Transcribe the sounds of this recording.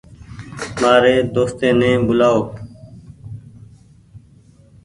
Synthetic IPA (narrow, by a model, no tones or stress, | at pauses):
maːɾeːd̪oːst̪ẽːnẽːbʊlaːoːk